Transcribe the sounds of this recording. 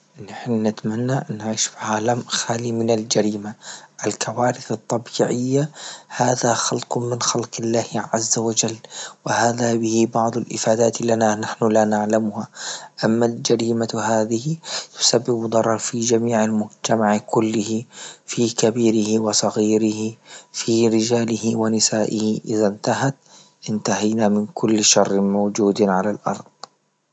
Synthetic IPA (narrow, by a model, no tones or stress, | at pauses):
nɪħnanɪt̪manːaʔanːaʕiːʃfiʕaːlamxaːlimɪnald͡ʒaɾiːmaʔalkʰawaːɾɪθɑt̪ˤːɑbiːʕɪjːahaːðaxɑlqmɪnxɑlqɪlːaːhʕa̰zːawad͡ʒalːwɪhaːðabɪhibɑʕd̪ˤalʔɪ̰faːd̪aːt̪lananaħnʊlanaʕlamʊhaʔamːald͡ʒaɾiːmahaːðɪhɪt̪ʊ̥sabːɪbd̪ˤɑɾˤɑɾˤfid͡ʒamiːʕalmʊd͡ʒt̪amaʕkʊlːɪhifiːkabiːɾɪhiwɪsˤɑɣiːɾɪhifiːɾɪd͡ʒaːlɪhɪwɪnɪsaːʔɪhɪʔɪðant̪aɦat̪ | ʔɪnt̪ahajnamɪnkʰʊlːʃɑrˤːɪmawd͡ʒuːd̪ʕalalʔɑ̰ɾˤd̪̥ˤ